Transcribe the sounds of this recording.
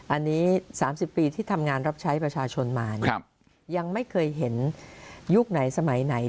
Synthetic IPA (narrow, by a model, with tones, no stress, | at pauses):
ʔa˧nːiː˦˥saː˩˦msi˨˩pːiː˧t̪ʰiː˥˩t̪ʰa˧mŋaː˧nɾa˦˥p̚t͡ɕʰa˦˥jpɾa˧t͡ɕʰaː˧t͡ɕʰo˧nmaː˧n˧ | ja˧ŋma˥˩jkʰɤː˧jɦe˩˦njuː˥˩k̚na˩˦jsa˧ma˩˦jna˩˦j